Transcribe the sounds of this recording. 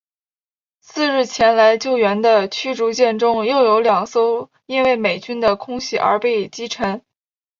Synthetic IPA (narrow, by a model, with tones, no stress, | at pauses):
sɹ̩˥˧ɻɻ̩˥˩t͡ɕʰjɛ˧˥nla˧˥ɪt͡ɕjo˥˩ʊɥɛ˧˥nd̪ə˧t͡ɕʰy˥ʈ͡ʂu˧˥t͡ɕjɛ˥˩nʈ͡ʂʊ˥ŋjo˥˩ʊjo˧˥ʊljɑ˨˩ŋso˥ʊ | i˥nwe˥˩ɪme˨˩ɪt͡ɕy˥nd̪ə˨kʰʊ˥ŋɕi˥˩ʔə̰˞˧˥pe˥˩ɪt͡ɕi˥ʈ͡ʂʰə˧˥n